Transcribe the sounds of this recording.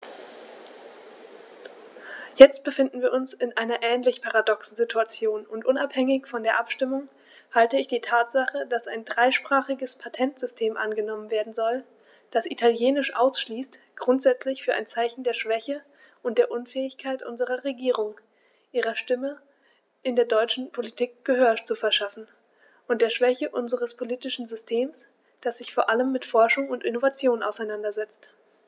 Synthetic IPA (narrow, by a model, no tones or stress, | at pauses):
jɛt͡st̚b̥əfɪndn̩viːɐʔʊnsɪnʔaɪnɐʔɛːnlɪçpʰaʁadɔksn̩zitʰuat͡sjoːnʊntʔʊnaphɛŋɪçfɔndeːɐʔapʃtɪmʊŋ | haltəɪçd̥iːtʰaːtz̥aχədasaɪndʁaɪʃpʁ̥aːχɪɡəspʰatʰɛntz̥ʏstʰeːmʔa̰nɡənɔmənveːɐdn̩zɔl | d̥asʔitʰaljeːnɪʃʔaʊsʃliːstɡ̥ʁʊntz̥ɛt͡slɪçfyːɐʔa̰ɪnt͡saɪçn̩deːɐʃv̥ɛçə | ʔʊntd̥eːɐʔʊnfɛːɪçkʰaɪtʔʊ̰nzəʁɐʁeɡiːʁ̞ʊŋ | ʔiːʁɐʃtɪmə | ʔɪndeːɐdɔʏt͡ʃn̩pʰolitʰiːk̚ɡ̥əɦøːɐt͡sufɛɐʃafn̩ | ʔʊnt̚d̥eːɐʃv̥ɛçəʔʊnzəʁ̞əspʰoliːtɪʃn̩zʏstʰeːms | d̥asz̥ɪçfoːɐʔaləmːɪtfɔɐʃʊŋʊntʔɪnovat͡sjoːna̰ʊsaɪnandɐzɛt͡st